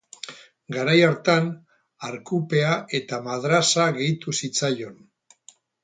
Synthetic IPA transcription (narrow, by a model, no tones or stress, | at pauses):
ɡaɾajaɾt̪an | aɾkupe̞aʔe̞t̪amaðɾasaɣe̞jt̪usit͡sajo̞n